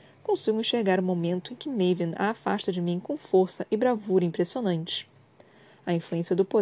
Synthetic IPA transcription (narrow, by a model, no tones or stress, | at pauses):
kõsiɡĩʃeɾɡaɾʊ̃momẽnt̪ʊẽj̃kɪmejvĩna̰ːfa̰ʃt̪ɐd͡ʒɪmĩkõw̃foɾsɐʔɪbɾavuɾɐĩmpɾesionɐ̃nt͡ʃɪ̥ | ɐĩfluẽsiɐd̪ʊpo